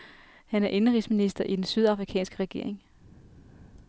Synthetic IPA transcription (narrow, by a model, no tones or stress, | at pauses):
hænæɐʔe̝nəʁisminisd̥ɐʔid̥ensyð̞ˠɑ̈fʁikʰɛ̰ːnsɡ̥əʁɛɡ̥e̝̰ɐ̰eŋ